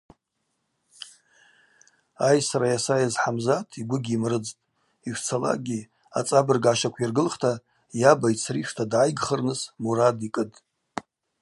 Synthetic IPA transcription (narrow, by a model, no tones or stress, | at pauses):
ajsaɾajasajazħamzatʰiɡʷʊɡʲimrɨd͡ztʼ | iʃʷt͡sʰala̰ɡʲi | a̰t͡sʼabɨrɡʕaʃakʷʰirɡɨlχtʰa | jabait͡sʰriʂtʰadʕajɡχərnɨsmuɾadikʼɨdʼ